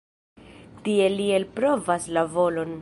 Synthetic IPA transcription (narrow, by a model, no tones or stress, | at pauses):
tie̞lie̞lpɾo̞vaslavo̞lo̞n